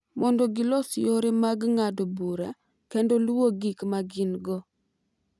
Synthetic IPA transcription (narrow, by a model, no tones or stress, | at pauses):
mɔndɔɡɪlɔsɪoɾemaɡŋadobuɾa̰ | kendɔlwoɡikmaɡɪnɡɔ